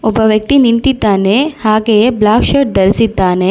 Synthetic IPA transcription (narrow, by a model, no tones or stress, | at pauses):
ʊbɐʋjɐk̚t̪inint̪it̪ːaːnehaːkejeblaːkʃeːʈ̚d̪ɐɾsit̪ːaːne